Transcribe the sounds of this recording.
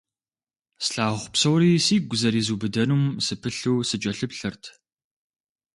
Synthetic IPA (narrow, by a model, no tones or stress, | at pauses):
sɬaːʁʷʊpsɐwɾiːsiːɡʷʊzɐɾiːzuːbɨdɐnuːmsɨpʰɨɬɨwsɨt͡ʃʼɐɬɨpɬɐrtʰ